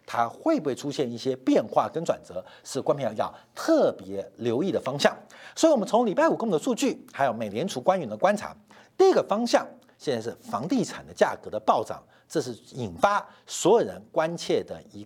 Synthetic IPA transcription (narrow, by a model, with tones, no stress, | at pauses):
t̪ʰa˥xwe˥˩ɪpu˥we˥˧˩ɪʈ͡ʂʰu˥ɕjɛ˥˧ni˥˩ɕjɛ˥pjɛ˥˧nxwa˥˩kə˥nʈ͡ʂwa̰˨˩nt͡sɤ˧˥ʂɻ̩˥˩kwa˥npʰi˧˥˧j̪ɑ̰˥˧˩ʊt̪ʰɤ˥˩pjɛ˧˥ljo˧˥ʊi˥˩d̪ə˩fɑ˥ŋɕjɑ˥˩ŋswɔ˧˥i˧wɔ˨˩ə˦nt͡sʰʊ˧˥ŋli˨˩pa˥˩ɪu˨˩kʊ˥d̪ə˧˩su˥˧t͡ɕy˥˩xa˧˥ɪjo˧˩ʊme˨˩ɪljɛ˧˥nʈ͡ʂʰu˧˥kwa˥ny˧˥˩nd̪ə˧kwa˥nʰa̰˧˥ | t̪i˥˩i˦˥ɡə˧fɑ˥ŋɕjɑ˥˩ŋ | ɕjɛ˥˧nt͡sa˥˧ɪʂɻ̩˥˩fɑ˧˥ŋt̪i˥˩ʈ͡ʂʰa˨˩nd̪ə˦t͡ɕja̰˥˩kɤ˧˥d̪ə˧pɑ˥˧ʊʈ͡ʂɑ̰˨˩ŋ | ʈ͡ʂɤ˥˧ʂ̬ɻ̩˥˩i˨˩nfa˥ | swɔ˧˥jo˨˩ɻə̰˧˦nkwa˥nt͡ɕʰjɛ˥˩d̪ə̰˩i˧˥